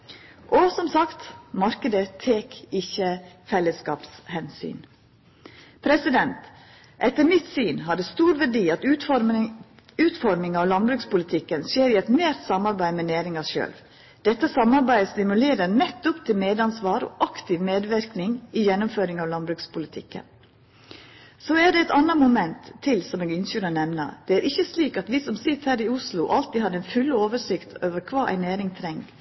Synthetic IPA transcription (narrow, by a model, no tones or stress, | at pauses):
ʔɔsɔmsɑkt̪mɑɾkəd̪ət̪ʰːeːkɪçːəfɛlːəskɑ̰ːpshɛnsy̰ːn | pʰɾɛsɪd̪ɛnt̪ | ʔɛt̪ːəɾmɪt̪syːnɦɑːɖəst̪uːɾʋæɖiːɑt̪ʉ | ʉːt̪fɔɾmɪŋɑʋlɑnbɾʉːkspʊlɪt̪ʰɪkːənseːɾɪɛt̪meːɾt̪sɑmɑɾbæɪmɛnæːɾɪŋɑʃø̰ːlʋ | d̪̥ɛt̪ːəsɑmːɑɾbæɪst̪ɪmʉleːɾəɾnɛt̪ːʊpt̪ʰɪlmeːd̪ɑnsʋɑːɾɔ̰ʔɑkt̪ɪʋmeːd̪ʋɪɾknɪŋɪjɛnːʊmføːɾɪŋɑʋlɑnbɾʉkspʰʊlɪt̪ʰɪ̰kːə̰n | soæɖɛɛt̪ɑnːəmʊmɛnt̪ʰːɪlsɔmeːɡʏnçyɾənɛmnə̰d̪̥ɛæːɾʔɪçːəsliːkɑt̪ʋiːsɔmsɪt̪ːhæːɾɪʊslʊʔɑlt̪iːhɑɾɛnfʉlːoːʋəʂɪkt̪ʰoːʋəɾkʰʋɑːʔæ̰ɪnæːɾɪŋt̪ʰɾɛŋɡ